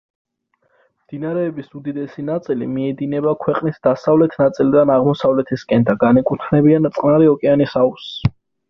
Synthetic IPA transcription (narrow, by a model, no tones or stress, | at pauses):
md̪̥inaɾɛːbisud̪id̪ɛsinat̪sʼilḭmiɛd̪inɛbakʰwɛqʼnisd̪asavlɛt̪ʰnat̪sʼilid̪anaʁmɔsavlɛt̪ʰiskʼɛnd̪aɡanɛkʼut̪ʰnɛbiant̪sʼqʼnaɾiɔkʼɛanisaus